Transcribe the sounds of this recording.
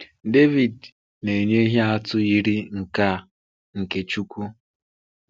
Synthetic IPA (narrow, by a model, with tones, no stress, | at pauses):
de˦vi˨d | ne˨ɲe˦i˦ɦe˦a˦tʊ˦i˦ɾi˦ŋ̩˨ka˦ | ŋ̩˨ke˨t͡ʃu˦kʷu˦